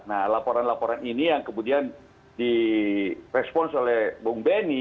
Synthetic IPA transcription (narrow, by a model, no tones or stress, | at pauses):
nalapoɾanlapoɾaninijaŋkəmudian | di | rɛspɔnsolɛhbɔŋbɛni